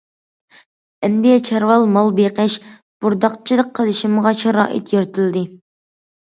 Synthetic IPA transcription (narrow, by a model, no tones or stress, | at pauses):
ɛmd̪ijɛt͡ʃʰæɾwɑlˠmɑlˠbeqɛʃ | b̥uɾd̪ɑqt͡ʃʰid̪əqʰːəlˠɨʃimʁɑʃʰɑɾɑ̰ːʔḭt̪jyɾt̪ʰɪld̪ɪ